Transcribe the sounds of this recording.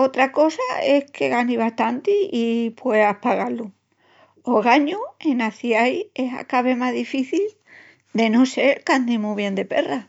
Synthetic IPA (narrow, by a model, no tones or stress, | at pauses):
ot̪ɾako̞sae̞hkʰe̞ɣaniβ̞aht̪ant̪iipwe̞ahpaɣalu | oɣaɲuenaθjaje̞sɦa̰kaβe̞maðifiθil | d̪e̞nose̞ɾkand̪imuβje̞nd̪epe̞̰ra